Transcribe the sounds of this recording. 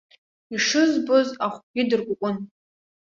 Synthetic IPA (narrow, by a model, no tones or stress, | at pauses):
iʂɨzbozaχʷɡʲidɨrkʷʼʊkʷʼʊn